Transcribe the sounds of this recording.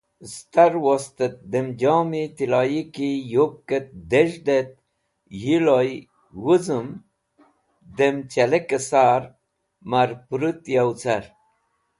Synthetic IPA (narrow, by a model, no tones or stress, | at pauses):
st̪aɾwost̪et̪̚d̪emd͡ʑɑːmit̪ilɑjikijop̚ket̪̚d̪eʒd̪et̪̚ | hiloj | wuzəm | d̪emt͡ɕelekesaːɾ | maɾpɾut̪jawt͡saɾ